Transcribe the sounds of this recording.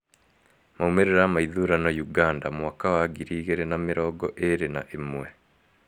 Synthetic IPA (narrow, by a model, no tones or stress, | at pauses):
maumeɾeɾamaiðuɾanajuɡaːndamwakawaɡiɾiːɣeɾenamiɾɔɡɔʔeɾena̰ʔimwe